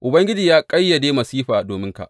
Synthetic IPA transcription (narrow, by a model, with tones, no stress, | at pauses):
ʔʊ˨bɐ˦ŋɡʲɪ˦d͡ʒiː˨jaː˦kʼɐ˦jːa˨deː˦mɐ˨siː˦ɸaː˨doː˨mɪ˦ŋka̰˨ʔ